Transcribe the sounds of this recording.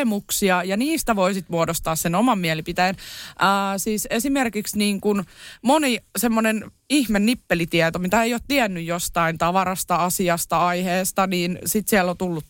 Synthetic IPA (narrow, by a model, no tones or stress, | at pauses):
emuksiɑjɑniːst̪æʋoisit̪muodost̪ɑːssenomɑmːiɛlipit̪æjnʔəːsiːsesimerkiksniːŋkunmonisemːonen | ihmenːipːelit̪iɛt̪omit̪æejoːt̪t̪iɛnːyjjost̪ɑint̪ɑʋɑɾɑst̪ɑɑsiɑst̪ɑɑiheːst̪ɑniːnsit̪siɛlːot̪ulːut̪